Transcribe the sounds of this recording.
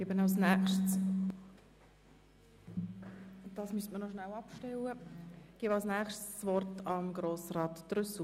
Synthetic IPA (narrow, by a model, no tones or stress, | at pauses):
ɡibənɑlsnɛχʃt | d̥ɑːsmystmənɔʃnælɑpʃtɛləɡ̥ibɑlsnɛːχʃtːʋɔrtɑmɡɾoːsrɑːtd̥ɾʏsl̩